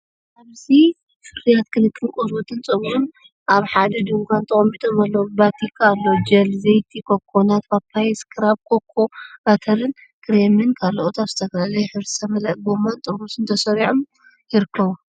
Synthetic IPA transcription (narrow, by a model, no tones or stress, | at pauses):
ʔaβzi | fɨɾijat̪kʰɨnɨkʼːɨŋkʼozut̪ʰɨnt͡sʼɨβun | ʔaβħad̪ɐd̪uŋɡʷant̪ʰɐχʼɐmːit̪ʰʼomalːɐwubat̪ʰikʰaːlːod͡ʒɐlzejt̪ʰikʰokʰːonat̪bapʰːajɛskʰɨɾaβkʰokʰːobat̪ʰɐɾɨn | kʰɾemɨnkʰalːoʔot̪ʰaβzɨt̪ʰɐkɐlɐlɐjħɨɾsɐmɐlɐʔɡomant̪ʼɨbusɨnt̪ʰɐsɐɾiʕom | jɪɾɨkʰːɐβu